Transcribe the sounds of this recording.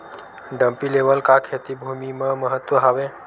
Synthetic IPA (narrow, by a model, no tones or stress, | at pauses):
ɖəmpileʋəlkakʰet̪ibʱumimə̃məɦət̪ʋəɦaʋẽ